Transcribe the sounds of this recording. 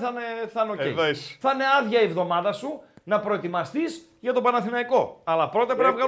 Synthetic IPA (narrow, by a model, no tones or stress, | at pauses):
θɐneθɐnoceoθɐne̞ɐðʝɐevðo̞mɐðɐsunɐpɾo̞et̪imɐst̪is | ʝɐt̪o̞pɐnɐθinɐiko̞ɐlɐpɾo̞t̪ɐpɾinɐvɣɐ